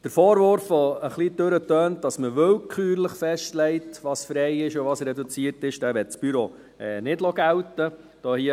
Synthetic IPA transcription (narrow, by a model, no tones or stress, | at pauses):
d̥əɾfɔːɾʋʊɾfʋɔəχlid̥ɵɾətøːnt̚d̥ɑsməʋʏlkʰyːɾləχfɛʃtlɛɪtʋɑːsfɾɛɪɪʃʊʋɑːsɾɛdut͡siəɾtɪʃd̥æːʋɛt̚t͡sb̥yɾo | ɛ̰nɪdlɔɡæwtə | d̥ɔːhiə